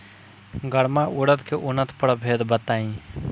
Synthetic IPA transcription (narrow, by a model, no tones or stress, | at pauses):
ɡəɽmaʔʊɽət̪keʔʊnət̪ʰpəɽbʱeːd̪bət̪aːĩː